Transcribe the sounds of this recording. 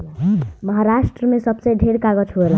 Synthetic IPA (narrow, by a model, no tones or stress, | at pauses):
məɦaɾasʈɾəmesʌbsə̃ɖʱeɾkaɡʌd͡ʒʰoel